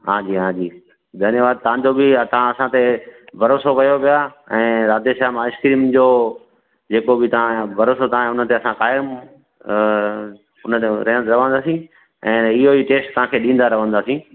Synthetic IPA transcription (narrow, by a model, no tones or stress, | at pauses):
ɦãːd͡ʑiːɦãːd͡ʑiː | d̪ʱɐnjəʋaːd̪̚t̪ɐʋ̤ãd͡ʑobɪt̪ɐʋ̤ãɐsãt̪ebʱɐɾoːsokɐjoʋija | ɛ̃ːɾaːd̪eʃaːɦmãːɪskɾiːmd͡ʑoː | d͡ʑeːkobɪt̪ɐãbʱɐɾoːsot̪ɐʋãʊnət̪eɐsãkaːjɪm | ʊnət̪eɾɐɦə̃ɾɐʋə̃nd̪aːsĩː | ɛ̃ːɪɦoiːʈeːsʈt̪ɐʋ̤ãːkʰeːɗĩːn̆d̪aɾɐʋə̃nd̪aːsĩː